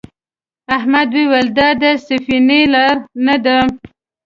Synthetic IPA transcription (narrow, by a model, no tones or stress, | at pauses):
ahmad̪wewald̪ɑd̪əsafinelɑɾnad̪a